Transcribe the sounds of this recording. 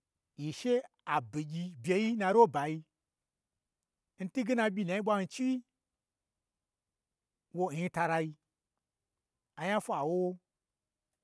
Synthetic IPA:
ji˨ʃe˦ | a˨bi˨ɡʲi˧bʲe˧ji˦nã˧ɾo˦ba˨ji˧ | n̩˦ti˦ɡi˦na˧ɓʲi˧˨na˨ji˦ɓʷa˧˦hi˧t͡ʃi˦wi˦ | wo˧˨i˧˦ta˧ɾa˧ji˧ | a˨ja˦fʷa˨wo˦wo˦

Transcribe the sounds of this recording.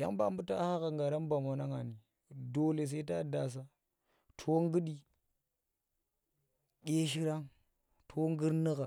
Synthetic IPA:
ja̰˦ŋba˦mbu˦ta˦ha˦ɣa˨ŋɡa˨ɾa˦nba˨ma˨na˦ŋa˨ni˨ | do˨le˨s̬e˦ta˦da˨s̬a˦ | tʰo˦ŋ˦ɡɨ˦ɗi˦ | ɡʲe˦ʃ̬i˦ɾa˦ŋ | tʰo˦ŋɡi˦ɾnə˦ɣa˨

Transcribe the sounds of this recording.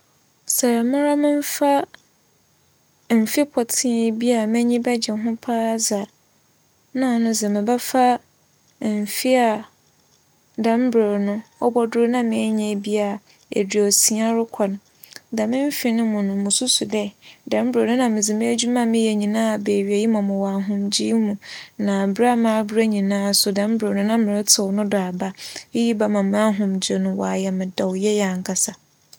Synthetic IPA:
sɛ˨ɾmʊ̃˦ɾa˦mɪ̃˦m˦fa˦ | m̩˨fi˦pʰɔ˨tʰɪ̃˦˨bi˦a˨mɪ̃˦ɲĩ˦bɛ˦d͡ʑɛ˨˦ɦʊ̃˦pʰa˦za˨ | nã˦˨nʊ̃˨d͡zɛ˨mɪ̃˨bɛ˦fa˦ | m̩˨fi˦a˨ | dã˨˦m˦bɾe˨nʊ̃˦ɔ˦bɔ˦dʊ˦ɾnã˦˨mɪ̃˨ɛ˦ɲɛ̃˨bi˦a˨ | ḛ˨di˨ɔ˨si˨ã˦ɾʊ˦kʷʰɔ˨nʊ̃˨ | da˨mɪ̃˦m˦fɪ˨nɪ̃˦mʊ̃˨nʊ̃˨mʊ̃˨sʊ˦sʊ˨dɛ˦dã˨m˦bɾe˨nʊ̃˦nã˨mɪ̃˨d͡zɪ˨mɪ̃˦d͡ʑu˦mã˦mɪ̃˦jɛ˨ɲĩ˨nãː˦˨be˨ɥi˨e˨ji˦mã˨mʊ̃˨wa˨ɦʊ̃˦md͡ʑiː˦mũ˨nã˨bɾa˦mãː˦bɾa˦ɲĩ˨nãː˦˨sʊ˨dã˨˦m˦bɾe˨nʊ̃˦nã˦mɪ̃˨ɾɪ˦tʰɪ˨wnʊ̃˦da˨a˨ba˦i˦ji˦ba˦mã˨mʊ̃˦a˦ɦʊ̃˨md͡ʑe˨nʊ̃˨wa̰˨jɛ˨mɪ̃˨dɔ˨wjɛ˦jɛ˨a˨ŋ̩˨kʰa˨sa˨

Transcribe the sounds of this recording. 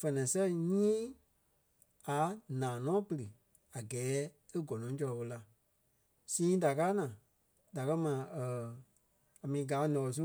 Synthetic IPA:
fɛ˧˨nɛ̃˨sɛ˦ɲĩː˦ | a˨˦nãː˨nɔ̃ː˨˦pə˧ɾɨ˨ | a˨ɡɛː˨˦ | e˦ɡɔ˨nɔ̃˨˦t͡ʃɔ˧lɔ˧ɓo˧la˧ | sĩː˦da˨kaː˦nãː˨ | da˨kɜ˦mãː˨ə˨ | a˨mĩː˨˦ɡaː˨˦nɔ̃˨ɔ˨s̬u˦

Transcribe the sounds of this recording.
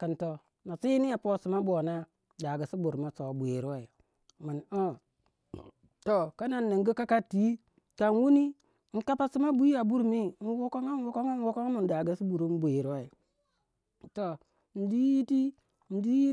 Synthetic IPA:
kə˨nto˨ | na˨si˦ni˦a˨po˦si˨ma˦bo˨na˦ | da˨ɡa˨si˦bu˨ɾma˨so˨bʷe˨ɾi˦wa˦i˨ | mə˨no˦ | to˨ka˦na˨nːə˨ŋɡi˦ka˦ka˦tːi˨˦ | ka˨nwu˦ni˦ | n̩˦ka˦pa˦si˦ma˦bu˦i˦a˨bu˦ɾmi˦n̩˦wu˦ko˦ŋa˦wo˦ko˦ŋa˦n˦wo˦ko˦ŋa˦mu˨n˨da˨ɡa˦si˦bu˨ɾu˦m˦bʷe˨ɾi˦wa˦i˨ | to˨ | n̩˨˦di˦ji˦ti˦ | n̩˨˦di˦ji˦

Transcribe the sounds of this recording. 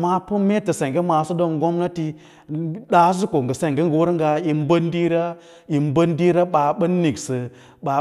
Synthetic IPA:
ma˦pu˦me˦tə˨se˨ŋɡe˦ma˨su˦do˦ŋ˦ɡo˦mna˦ti˦ | ɗa˦s̬u˦ko˨ŋɡə˨se˦˨ŋɡe˦ŋɡə˨wu˦ɾŋɡa˧i˨m˦bə˦n˦di˦ɾa˦ | i˨mbə˦ndi˦ɾa˦ɓa˨ɓə˦nː˦i˨ksə˨ | ɓa˨

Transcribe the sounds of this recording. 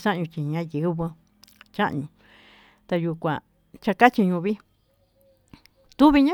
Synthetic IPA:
sã˦ʔɲũ˧t͡ʃi˧ɲã˧˦jɨ˨˦βɨ˧˦ | t͡ʃa˦ʔɲũ˧ | t̪a˧ju˧kʷã˨ | t͡ʃa˧ka˦t͡ʃi˧ɲũ˧βi˦ | t̪u˦βi˧ɲã˦

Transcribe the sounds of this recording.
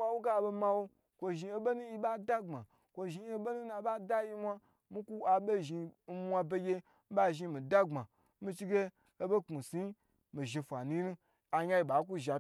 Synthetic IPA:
kʷa˦wo˦ɡa˦˨bo˧ma˧wo˧ | kʷo˧ʒi˧e˨ɓe˦nu˦ji˦ɓa˦da˦ŋ͡ma˨ | kʷo˧ʒi˧e˦ɓe˦nu˦na˧˦ɓa˦da˦ji˦mʷa˦ | mi˦ku˦a˨ɓe˦ʒi˧n̩˦mʷa˧be˧ɡʲe˧ | m̩˦ɓa˦ʒi˧mi˨da˦ɡ͡ba˨ | mi˧t͡ʃi˦ɡe˦ | o˧be˦k͡pu˨si˨˦ | mi˨ʒi˧fʷa˨nu˦nu˦ | a˨ɲa˦i˨ɓa˨˦k̬u˦ʒa˨

